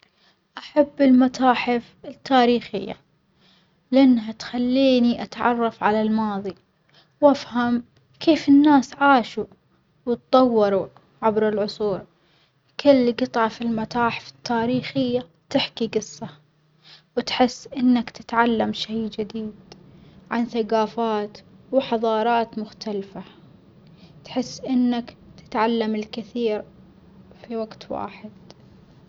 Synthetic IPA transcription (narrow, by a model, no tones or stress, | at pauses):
ʔaħabːɪlmat̪aːħɪf | ɪt̪ʰːaːɾiːxɪjːa̰ | lɪʔanːɦat̪xalːiːniʔat̪ʕɑ̰rˤːɑfʕalalmɑːðˤi | wʔafham | kʰeːfɪnːaːsʕaːʃu | wt̪̚t̪ˤɑwːɑɾˤu | ʕabɾɪlʕʊsˤuːɾ | kɪlːɡɨt̪ˤʕɑfɪlmat̪aːħɪ̥fɪ̥t̪ːaːɾiːxɪjːa | t̪ɪħkiɡɨsˤːɑ | wɪt̪ħɪsːʔɪnːakt̪ɪ̥t̪ʕalːamʃejd͡ʒɪd̪iːd̪ʕanθaɡaːfaːt̪wħɑðˤɑːɾˤɑːt̪mʊxt̪ʰalfa | t̪ħɪsːʔɪnːakt̪ɪ̥t̪ʕalːamɪlkɪθiːɾ | fiwaɡt̪wa̰ːħɪd̪̥